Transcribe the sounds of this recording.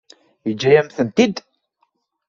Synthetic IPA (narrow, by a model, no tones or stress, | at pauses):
id͡ʒːæjæmθənt̪id̪